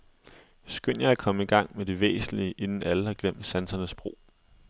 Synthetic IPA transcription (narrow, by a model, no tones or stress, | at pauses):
sɡ̥øn̰jɑ̈ɪækʰɒ̽məiɡ̥ɑ̈ŋ̰med̥iʋḛːsn̩liəʔe̝nn̩æləhɑ̈ɡ̥lem̰d̥sænsɐnəsb̥ʁo̝̰ː